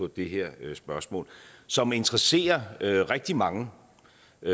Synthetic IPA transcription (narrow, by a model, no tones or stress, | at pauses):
ɒ̽d̥e̝ɦɛɐ̰sb̥ɶɐsmɔ̰ːlsɒ̽me̝nt͡sʁɐse̝̰ːɐʁɛɡ̥̚d̥imɑ̈ŋə